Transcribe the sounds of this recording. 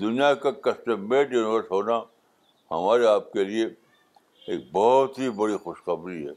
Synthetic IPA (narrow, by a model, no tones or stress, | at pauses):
d̪ʊnijakakɐsʈəmeːʈjuːnʋəɾsɦoːna | hɐ̰maːɾeaːp̚kelie | eːk̚bɔɦt̪ɦibɐɽixʊʃxɐbɾiɦɛ̰ː